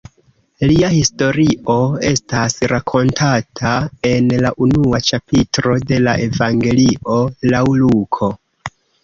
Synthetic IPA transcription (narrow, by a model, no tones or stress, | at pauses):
liahisto̞ɾiʔo̞e̞stasɾakʰo̞ntʰatʰae̞nlaʔunuat͡ʃapitɾo̞de̞laʔe̞vaŋɡe̞liʔo̞lawlukʰo̞